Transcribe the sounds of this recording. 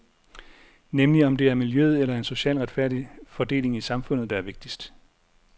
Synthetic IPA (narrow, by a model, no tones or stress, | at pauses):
nemliɒ̽md̥e̝æɐmiljøð̞̩ˠelɐe̝nso̝ɕɛ̰ːlʁad̥fæɐ̰d̥ifɒ̽d̥e̝̰ːle̝ŋisɑ̈mfɔ̽n̰ð̞̩ˠd̥ɑ̈æɐʋe̝ɡ̥̚d̥isd̥